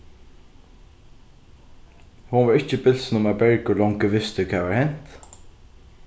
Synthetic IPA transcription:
hʊnʋaːɹɪt͡ʃːəbɪlsn̩ʊmæbɛɹkəlɔŋkəʋɪst̪əkʰaːʋaɹhɛn̥t̪

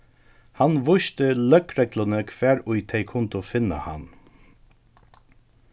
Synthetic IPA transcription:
hanʋʊʃt̪əlœkɾɛklanəkʰʋæːɹʊjt̪ʰɛɪkʰʊnt̪ʊfɪnːa̰ha̰n

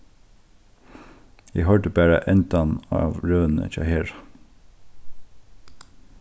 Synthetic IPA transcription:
jæːhœɹɖəbæːɹə̰ʔɛnd̪ɑnɑ̰ːʋɹøːnə̰c͡çɑ̰ːheːɹ

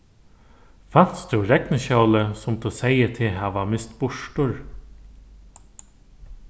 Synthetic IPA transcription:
fan̥sd̪uɾɛknəɕœwləsʊmt̪ʰuseɪət̪ʰɪɦaʋamɪst̪bʊʂʈʊɹ

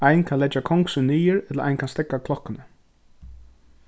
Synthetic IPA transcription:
ajnkʰanlɛt͡ʃːakʰɔŋksʏniːɪɹɛt̪ləɾa̰jnkʰanst̪ɛkːakʰlɔhkːɪnə

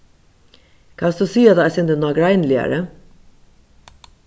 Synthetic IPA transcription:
kʰɑnsd̪usiːad̪aɛsɪnd̪ənɔːɡɾaɪnlɪa̰ɾə

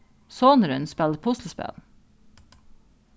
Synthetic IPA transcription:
soːnəɾʉnspɛlpʰʊsl̩əspɛ̰l

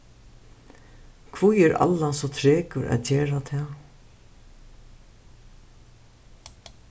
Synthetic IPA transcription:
kʰvujɛɾa̰lːasɔt̪ʰɾeːkʊɾʔæ̰ðt͡ɕeːɹat̪ʰɛː

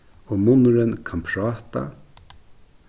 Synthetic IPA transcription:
ɔmʊnʊɾɪnkʰampʰɾaːt̪a̰

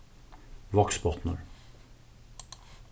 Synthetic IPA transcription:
ʋɑksbɔt̪nə̰ɾ

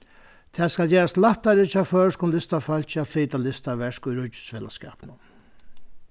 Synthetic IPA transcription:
t̪ʰɛːskalt͡ɕɛːɾast̪laht̪ːaɾɪt͡ɕafœːɹskʊnlɪst̪afœl̥t͡ɕafliːt̪alɪst̪aʋɛʂkʊjɾʊt͡ɕːʏ̥sfɛːla̰skɛ̰ːpnʊ

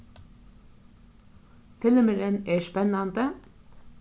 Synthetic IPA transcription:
fɪlməɾənæːʃpɛnɑnd̪ə

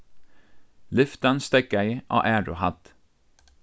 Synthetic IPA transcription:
lʏft̪ɑnst̪ɛkæɪʔo̰ːʔæːɹʊhɑt̪

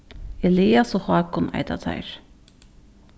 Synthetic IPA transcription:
ɛliːasɔhaːkʊna̰jt̪a̰t̪ʰa̰jɾ̥

